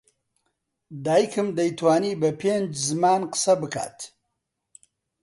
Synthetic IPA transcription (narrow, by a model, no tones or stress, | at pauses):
d̪aːjkɨmd̪ɐjt̪waːniːbɐpʰeːnd͡ʒzɨmaːnqə̥sɐbɨka̰ːt̪